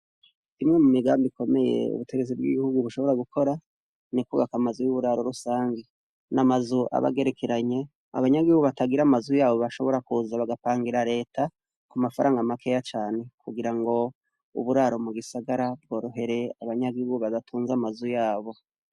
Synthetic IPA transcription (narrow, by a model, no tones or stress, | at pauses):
imŋe̞mumiɡaːmbikʰo̞me̞je̞̰ṵβuteɡe̞t͡sibɡḭɡihuɡuβuʃo̞βo̞ɾaɡukʰo̞ɾa | nikuβakamazujuβuɾaɾo̞ɾusaːɲɡe | namazuʔa̰βa̰ɡe̞ɾe̞kʰeɾaɲe̞ | a̰βaɲaɡihuɡuβataɡiɾamazujaːβo̞βaʃo̞βo̞ɾakuzaβaɡapaːŋɡiɾaɾe̞ːtʰa | kumafaɾaːŋɡamakʰe̞jat͡ʃaːne̞kuɡiɾaŋɡo̞ | ṵβuɾaɾo̞muɡisaɡaɾab̚ɡo̞ːɾuɦe̞ɾe̞aβaɲaɡihuɡuβaβatʰuːnzamazujaːβo̞